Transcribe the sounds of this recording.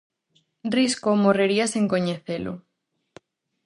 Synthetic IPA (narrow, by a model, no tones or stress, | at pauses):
rriskomoreɾiasiŋkoɲeθelo̰